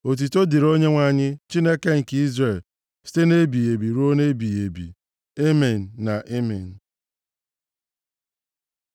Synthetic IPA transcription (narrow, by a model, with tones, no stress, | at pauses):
o˨t̬i˨to˦di˨ɾo˦ɲe˦ŋʷa˦ɲɪ˦t͡ʃi˦ne˦ke˦ŋ̩˨kɪ˨i˦zɾe˨l | si̥˦te˦ne˦bi˨je˨bi˨ɾu˦o˦ne˦bi˨je˨bḭ˨ | e˦me˨n̩ː˨a˨ʔe˦me˨n̩˨